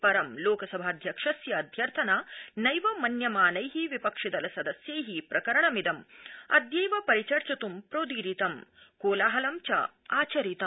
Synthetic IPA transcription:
pɐɾɐmloːkɐsɐbʱaːd̪ʱjɐkʂɐsjɐːd̪ʱjɐɾt̪ʰɐnaːnɐjʋɐmɐnjɐmaːnɐjɦiʋipɐkʂid̪ɐlɐsɐd̪ɐsjɐjɦipɾʔɐkɐɾɐɳɐmid̪ɐmɐ̰d̪jɐjʋɐpɐɾit͡ʃɐɾt͡ʃɐt̪umpɾoːd̪iːɾit̪ɐmkoːlaːɦɐlɐmt͡ʃa̰ː | aːt͡ʃɐɾit̪ɐm

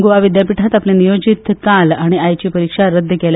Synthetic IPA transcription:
ɡuʋaʋid̪japiʈʰat̪apljẽnijod͡ʑit̪kalaɽ̃iajt͡ɕiːpəɾikʂaɾəd̪ʱːəkel

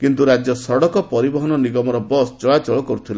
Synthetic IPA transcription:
kint̪uɾad͡ʒjɔsɔɽɔkɔpɔɾibɔɦɔnɔniɡɔmɔɾɔbɔsd͡ʒɔɭat͡ʃɔɭɔkɔɾut̪ʰila

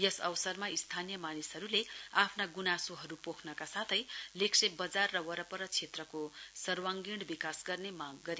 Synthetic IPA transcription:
jʌsʌwsʌrmaist̪ʰanijʌmanisɦʌɾuleapʰnaɡunasoɦʌɾupokʰnʌkasat̪ʰʌjleksebʌd͡zarːʌwʌɾʌpʌɾʌt͡sʰet̪rʌkosʌrwaŋɡiɽbikasɡʌrnemaɡ̚ːʌɾe

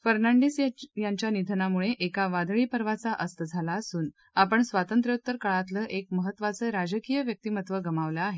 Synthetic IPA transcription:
fəɾnaɳɖiːsjaɲt͡ɕjanid̪ʱənamuɭeʔekaʋad̪ɭiːpəɾʋat͡saʔəst̪əd͡zʱalaːsuːn | apəɳsʋat̪ənt̪ɾjot̪ːəɾkəɭat̪ləːʔek̚məɦət̪ːʋat͡səɾad͡ʑəkijəʋjək̚t̪imət̪ʋəɡəmaʋlaːɦe

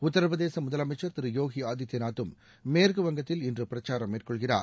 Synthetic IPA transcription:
ʊt̪ːɐɾɐʋɐðeːsɐmʊðɐlɐmɐɪt͡ʃːɐɾt̪ɪɾɯjoːɣiaːd̪jɐt̪ːɐnaːt̪ːɯmː | eːɾɣɯʋɐŋɡɐt̪ːɪlɪndrɯpɪɾɐt͡ʃːaːɾɐmːeːrkɔɭɣɪra̰ːɾ

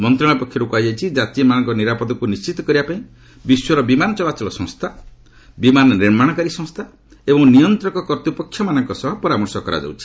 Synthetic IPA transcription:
mɔnt̪ɾɔɭ̃apɔkʰjɔɾukuajajt͡ʃʰid͡ʒat̪iɔmanɔŋkɔniɾapɔd̪ɔkunist͡ʃit̪ɔkɔɾibapaĩ | biswɔɾɔbimanɔt͡ʃɔlat͡ʃɔlɔsɔ̃ŋst̪ʰa | bimanɔɾeɽmaɽ̃ɔkaɾisɔ̃ŋst̪ʰa | ebɔŋnijɔnt̪ɾɔŋkɔkɔɾt̪upɔkʰjɔmanɔŋkɔsɔɦɔpɔɾamɔɾsɔkɔɾa̰d͡ʒa̰wt͡ʃʰi̥

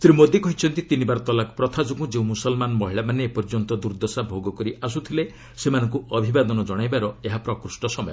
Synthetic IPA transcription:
sɾimod̪ikɔɦit͡ʃʰɔnt̪it̪inibaɾɔt̪ɔlakpɾɔt̪ʰad͡ʒuɡũd͡ʒeũmusɔlmanɔmɔɦiɭamanepɔɾd͡ʒɔnt̪ɔd̪uɾd̪ɔsabʱoɡɔkɔɾiʔas̬ut̪ʰile | semanɔŋk̬uɔbʱibad̪ɔnɔd͡ʒɔɽ̃ajbaɾɔeɦapɾɔkɾusʈɔsɔmɔjɔ

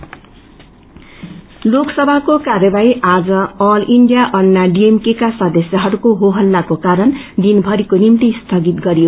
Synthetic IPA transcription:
loksʌbʱakokarjʌbaiʔad͡zʌʌliɳɖijaʔʌnːaɖiemkekasʌd̪ʌsjaɦʌɾukoɦoɦʌlːakokaɾʌnd̪inbʱʌɾikonimt̪ist̪ʰʌɡit̪ɡʌɾijo

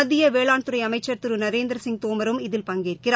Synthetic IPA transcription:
ɐðɪjɐʋeːɭaːɳt̪ɯɾɐɪɐmɐɪt͡ʃːɐɾt̪ɯɾɯnɐɾeːnd̪ɪɾɐsɪŋt̪oːmɐɾɯmɪðɪlpɐŋɡeːrkɪɾ

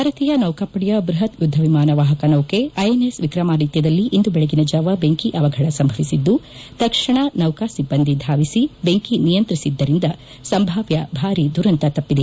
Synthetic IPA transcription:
bʱaːɾɐt̪iːjɐnɐwkɐpːɐɽjɐbɾuɦɐt̪jud̪ʱːɐʋimaːnɐʋaːɦɐkɐnɐwkeɐjenesʋikɾɐmaːɾiːt̪jɐd̪ɐlːiʔind̪ubɛɭeɡinɐd͡ʒaːʋɐbeŋkiʔɐʋɐɡʱɐɽɐsɐmbʱɐʋisid̪ːu | t̪ɐkʂɐɳɐnɐwkasibːɐnd̪ʱid̪ʱaːʋisibeŋkinijɐnt̪ɾisid̪ːɐɾind̪ɐ | sɐmbʱaːʋjɐbʱaːɾid̪uɾɐnt̪ɐt̪ɐpːid̪e

